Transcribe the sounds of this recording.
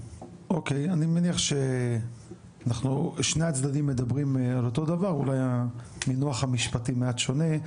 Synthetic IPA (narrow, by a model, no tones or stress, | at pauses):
o̞ke̞janimeniaχʃe̞ | anaχnuʃneat͡sd̪ad̪imːe̞d̪abʁimalo̞t̪o̞d̪avaʁulajaminoaχamiʃpatimeatʃo̞ne̞